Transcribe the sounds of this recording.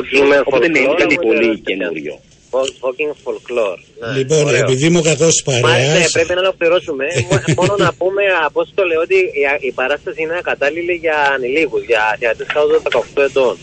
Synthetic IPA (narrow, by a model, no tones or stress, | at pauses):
kiŋpt̪ekɐiolienṵɾʝo̰ | ofokiŋɡfolkloɾnɐliponepiðimukɐkospɐɾmɐɐnepɾe̞pinɐlokliɾo̞sume̞mononɐpume̞ɐpost̪oleot̪iipɐɾɐst̪ɐsiineɐkɐt̪ɐliliʝɐːnilikuzʝɐθiɐt̪esk̪ɐoðoðɐkɐoxt̪oe̞t̪o̞n